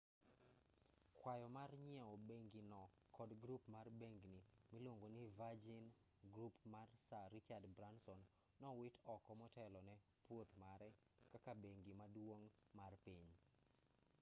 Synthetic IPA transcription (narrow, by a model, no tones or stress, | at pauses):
kwajɔmarɲɪɛɔbeŋɡinɔ | kɔdɡɾupmarbeŋɡnimilwoŋɡonivad͡ʒin | ɡɾupmarsaɾɪt͡ʃadbɾansɔnː | ɔwɪtɔkɔmɔtɛlɔnɛ | pwot̪maɾɛ | kakabeŋɡimadwoŋ | marpiɲ